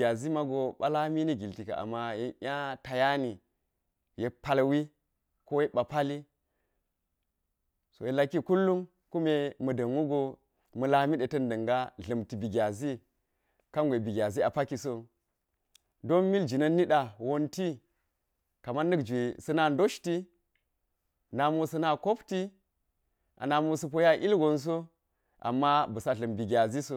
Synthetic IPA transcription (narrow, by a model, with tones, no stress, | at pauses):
a˨zi˦ma˦ɡo˨ɓa˦la˦mi˦ni˦ɡi˨lti˨ka̰˨a̰˨mːa˦je˦ʔʲa˦ta˨ja˦ni˨ | je˨pa˦lwi˦ | ko˦je˦ɓa˨pa˦li˦ | so̰˨je˨la˦kːi˦ku˦lːu˦m | ku˦me˦mɐ˨dɐ˨ŋwu˦ɡo˦ | mə˨la˦mi˦ɗe˨tɐ˦ndɐ˨ŋɡa˦ɮɐ˨mti˨bi˨ɡʲa˨zi˦ | ka˦ŋɡʷe˨bi˨ɡʲa˨zi˦a˨pa˦ki˨so˦ | do˦nmi˦ld͡ʒi˨nɐ˦nːi˦ɗa˨wo˦nti˦ | ka˨ma˦nːɨ˦kd͡ʒʷe˨sɐ˦na˦ndo˦ʃti˦ | na˨mu˦sɐ˦na˦ko˦pti˦ | ʔa̰˨na˨mu˦sə˦p̬o˦ja˦ʔi˦lɡo˨ns̬o˦ | ʔa̰˨mːa˦bɐ˨sa˨ɮɐ˨mbi˨ɡʲa˨zi˦so˦